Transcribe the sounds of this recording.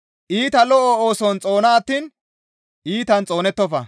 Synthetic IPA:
ʔiːt̪ɐlɔʔɔoːsɔnt͡sʼo̞ːnɐːt̪ːiːn | iːt̪ɐnt͡sʼo̞ːnɛt̪ːɔfɐ̰

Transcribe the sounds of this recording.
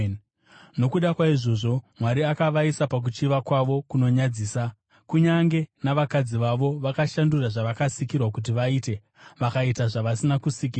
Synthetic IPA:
no̞kuɗakwaiʐo̞ʐo̞mwaɾiakaʋaisapak̬ut͡ʃiʋakwaʋo̞kuno̞ɲad͡ziːsa | kuɲaŋɡe̞naʋakad͡ziʋaʋo̞ʋakaʃanduraʐaʋakasikirwakut̬iʋaiːte̞ | ʋakaitaʐaʋasinakusik̬iːra

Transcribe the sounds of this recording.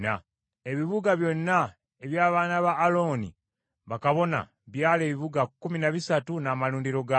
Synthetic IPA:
na | e̞βiβuɡaβjo̞nːa | e̞βjaːβaːnaβaːlo̞ːnḭ | βakaβo̞na̰ | βjaːle̞ːβiβuɡakːuminaβisatunamaluːndiɾo̞ɡa

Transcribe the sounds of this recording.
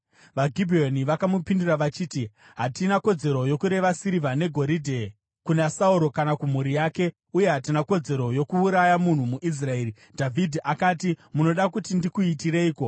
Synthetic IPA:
ʋaɡʱibʱioniʋakamupinduraʋat͡ʃiːti | ɦatinako̞d͡ze̞ɾo̞jo̞kuɾe̞ʋasiɾivʱane̞ɡʱo̞ɾidʱe̞ | kunasauɾo̞kanakum̤uɾijaːke̞ | uje̞ɦatinako̞d͡ze̞ɾo̞jo̞kuːɾajamun̤umuʔis̬rae̞ːri | dʱavʱidʱiʔakaːtimuno̞ɗakutindikuitiɾe̞iːko̞

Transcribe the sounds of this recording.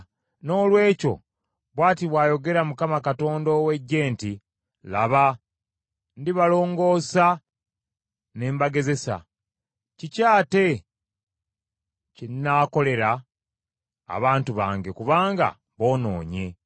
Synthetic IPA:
no̞ːlwe̞ːco̞̰ | βwaːtiβwaːjo̞ɡe̞ɾamukamakato̞ːndowe̞ɟːe̞ːnti | la̰βa | ndiβalo̞ːŋɡo̞ːsa | ne̞ːmbaɡe̞ze̞sa̰ | cicaːte̞ | cinnaːko̞le̞ɾa | βaːntuβa̰ːŋɡe̞kuβaːŋɡa̰ | βo̞ːno̞̰ːɲe̞

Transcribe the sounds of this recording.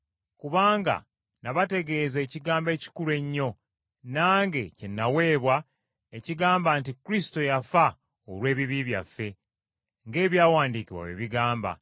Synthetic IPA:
kuβaːŋɡa̰ | naβate̞ɡe̞ːze̞ːciɡaːmbe̞ːci̥kulɾe̞ɲːo̞ | naːŋɡe̞ce̞nːawe̞ːβwa | eciɡaːmbaːntikuɾisi̥to̞jafa | oɾwe̞ːβiβiβja̰fːe̞ | ŋɡe̞ːβjaːwaːndikiwa̰ḛβiɡaːmba̰

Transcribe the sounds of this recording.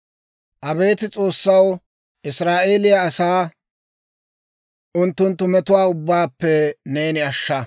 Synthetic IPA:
ʔɐbe̞ːt̪ɪt͡sʼo̞ːsːɐw | ɪsɾaːʔeːlɪjɐːsaː | ʔʊnt̪ːʊnt̪ːʊmɛt̪ʊwaːʊbːaːpːɛne̞ːnɪɐʃːɐ

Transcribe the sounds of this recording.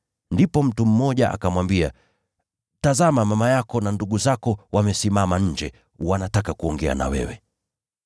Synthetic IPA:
ndipɔm̩tum̩mːɔʄaʔa̰kamwambia̰ | tazamamamajakɔnanduɠuzakɔwamɛsimamaɲ̩d͡ʒɛ | wanatakakuɔŋɡɛa̰na̰wɛ̰wɛ

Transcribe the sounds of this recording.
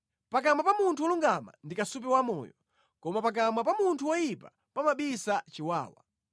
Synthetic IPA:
pak̬amapamuntʰuwɔluŋɡama̰ndikasup̬ɛwamɔ̰ːjɔ | kɔmapak̬amapamuntʰuwɔjipa̰ | pamaɓisat͡ʃiwa̰ːwa̰

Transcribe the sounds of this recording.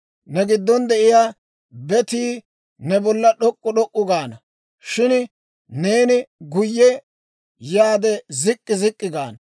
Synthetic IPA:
nɛɡɪd̪ːɔnd̪ɛʔɪjaː | bɛt̪iː | nɛbɔlːɐɗɔkʼːʊɗɔkʼːʊɡaːnɐ | ʃɪn | ne̞ːnɪɡʊjːɛ | jaːd̪ɛzɪkʼːɪzɪkʼːɪɡaːnɐ

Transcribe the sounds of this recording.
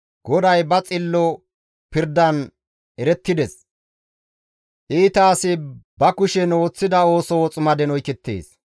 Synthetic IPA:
ɡ̥ɔd̪ɐjbɐt͡sʼɪlːɔ | pɪɾd̪ɐn | ɛɾɛt̪ːɪd̪ɛs | ʔiːt̪aːsɪbɐkʊʃɛno̞ːt͡sːɪd̪ɐo̞ːsɔwɔt͡sʼʊmɐd̪ɛnɔjkɛt̪ːḛːs

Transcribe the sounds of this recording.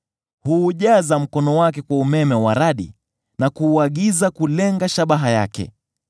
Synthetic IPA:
huːʄazam̩kɔnɔwakɛkwaumɛmɛwaɾaɗḭ | nakuːaɠizakulɛŋɡaʃaɓaɦaja̰kɛ̰

